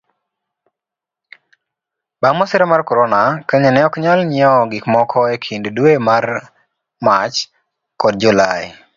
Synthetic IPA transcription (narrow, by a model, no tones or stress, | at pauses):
bamɔsɪɾɛmarkɔɾonakaɲɛnɛɔkɲalɲɪɔɡɪkmɔkʰɔekʰinddwemar | mat͡ʃ | kɔd̚d͡ʒulaj